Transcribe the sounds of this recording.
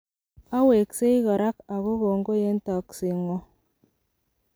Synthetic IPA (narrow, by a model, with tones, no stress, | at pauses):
a˦we˨kse˦jɣa˨ɾa˦ka˨ɣo˦ɣo˨ŋɡo˦je˦n˦ta˨ksi˨ŋo˦